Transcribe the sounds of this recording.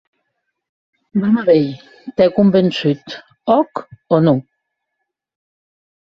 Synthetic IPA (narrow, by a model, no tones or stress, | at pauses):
bamaβej | t̪ɛkumbensyt̪ | ɔkɔnu